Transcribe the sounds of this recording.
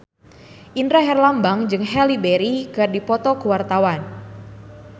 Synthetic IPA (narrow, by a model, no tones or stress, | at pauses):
ʔindɾaɦɛrlambaŋd͡ʒɨŋɦɛlibeɾiɡardipɔt̪ɔkuwart̪awan